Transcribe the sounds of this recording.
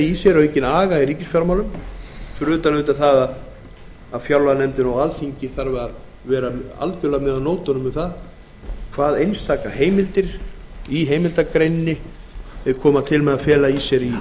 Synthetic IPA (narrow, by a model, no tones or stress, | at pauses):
isjɛɾɔejcɪnaːɣaiɾiːcɪsfjawɾmaːwlʏmfɾʏːt̪alʏːt̪aθaðað | aðfjawlvanɛmt̪ɪnawalθiɲcɪθaɾvɛað | vɛːɾaa̰lcʏlamɛðanoːwt̪ɔnʏmʏθað | kʰv̥aːðejnst̪aːkaɦeːjmɪlt̪ɪɾ̥iɦeːjmɪlt̪akɾejnːɪ | ɛkʰɔːmat̪ʰɪlmɛðafɛːlaisɛɾi